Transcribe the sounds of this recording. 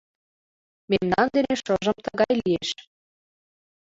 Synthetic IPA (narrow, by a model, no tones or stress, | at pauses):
memnɑnd̪eneʃɤʒə̆mt̪əɣɑjlieʃ